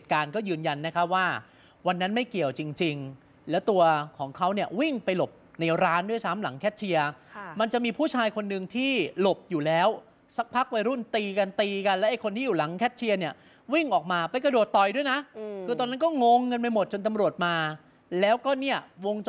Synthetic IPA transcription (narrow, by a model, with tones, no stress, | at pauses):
e˨˩kaː˧nkɔː˥˩jɯː˧nja˧nːa˦˥kʰa˦˥waː˥˩ | wa˧nːa˦˥nma˥˩jki˨˩əwt͡ɕi˧ŋt͡ɕi˧ŋ | lɛː˦˥wt̪u˧ɐkʰɔː˩˦ŋkʰa˦˥wni˥˩ɐwi˥˩ŋpa˧jlo˨˩p̚naɛ˧ɾaː˦˥ndu˥˩əjsa˦˥mla̰˩˦ŋkʰɛː˦˥t̪̚t͡ɕʰi˧ɐma˧nt͡ɕa˨˩ʔmiː˧pʰuː˥˩t͡ɕʰaː˧jkʰo˧nːɯ˧ŋt̪ʰiː˥˩lo˨˩p̚juː˨˩lɛː˦˥w | sa˦˥k̚pʰa˦˥k̚wa˧jɾu˥˩nt̪iː˧ka˧nt̪iː˧ka˧nlɛ˦˥ʔa˨˩jkʰo˧nt̪ʰiː˥˩juː˨˩la˨˩˦ŋkʰɛː˦˥˩t̪̚t͡ɕʰi˧ɐni˦˥˩ɐ | wi˥˩ŋʔɔː˨˩k̚maː˧pa˧jka˧du˨˩t̪ːɔ˨˩jdu˥˩əjna˦˥kʰɯː˧t̪ɔː˧na˦˥nkɔː˥˩ŋo˧ŋːɤ˧nma˧mo˨˩t̪̚t͡ɕo˧nt̪a˧mɾu˨˩ət̪̚maː˧ | lɛː˦˥wkɔː˥˩ni˥˩ɐwo˧ŋt͡ɕ